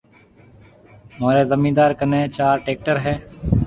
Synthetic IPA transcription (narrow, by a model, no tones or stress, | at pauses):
moːɾeːzəmiːd̪aːɾkənẽːt͡ʃaːɾʈeːk̚ʈəɾɦɛː